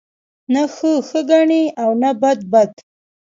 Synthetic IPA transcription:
naxəxəɡaɳiawnabad̪̚bad̪

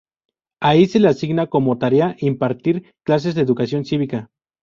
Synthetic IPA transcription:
aise̞leasiɣnakomot̪aɾeaʔimpaɾt̪iɾ | klas̬e̞zðeːðukasjo̞nsiβika

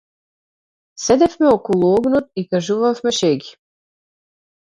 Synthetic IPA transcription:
sed̪ɛfmɛokolˠuoɡnot̪̚ikaʒuʋafmɛʃeɡi̥

